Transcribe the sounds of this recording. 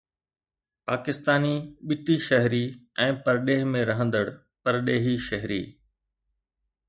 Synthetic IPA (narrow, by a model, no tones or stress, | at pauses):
paːkɪst̪aːniɓɪt̪iʃɐɦɾiɛ̃ːpɐɾɗeːɦmẽɾɐɦə̃nd̪əɽ | pɐɾɗeːɦiʃɐɦɾḭː